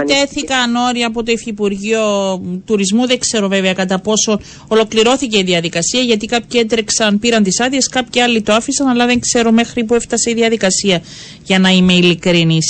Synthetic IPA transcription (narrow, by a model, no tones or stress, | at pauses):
t̪e̞θikɐno̞ɾiɐːpo̞t̪o̞ifipuɾʝio̞t̪uɾizmuðeŋkse̞ɾo̞veveɐkɐt̪ɐpo̞so̞n | o̞lo̞kliɾo̞θice̞iðiɐðikɐsiɐʝɐt̪ikɐpçie̞nt̪ɾeksɐnpiɾɐnt̪isɐðieskɐpçiɐlːit̪oɐfisɐnɐlɐðe̞ŋkse̞ɾome̞xɾipue̞ft̪ɐse̞iðiɐðikɐsiɐ | ʝɐnɐime̞ilikɾinis